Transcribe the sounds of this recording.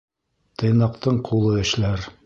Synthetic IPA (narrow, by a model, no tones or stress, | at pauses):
t̪ɤ̆jnɑq̚t̪ɤɴqʰulˠɤɘ̆ʃlæɾ